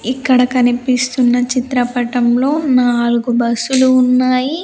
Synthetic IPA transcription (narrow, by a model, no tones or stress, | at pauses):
ikːɐɽɐkɐnipist̪unːɐt͡ʃit̪ɾɐpɐʈɐmlo̞ːnaːluɡubɐsːuluːnːaːji